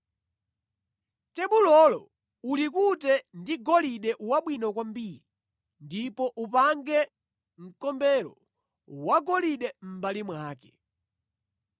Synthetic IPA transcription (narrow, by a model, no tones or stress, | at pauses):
tɛɓulɔlɔ | ulikutɛndiɡɔliɗɛʔwaɓwinɔkwambiɾi | ndipɔʔupaŋɡɛ | ŋ̩kɔmbɛɾɔ̰ | waɡɔliɗɛm̩balimwaːkɛ